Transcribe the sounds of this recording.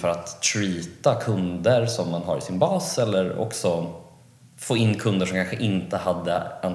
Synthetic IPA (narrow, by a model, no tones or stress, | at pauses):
fœɾat̪ʰːɾiːt̪akʰɵnd̪əɾsɔmːanɦa̰ɾɪ̰sɪnbɑːsɛlːəɾɔ̰ksɔ | foːɪnːkʰɵnd̪əʂɔmkʰanɧəʔɪnt̪əhad̪ːə̰an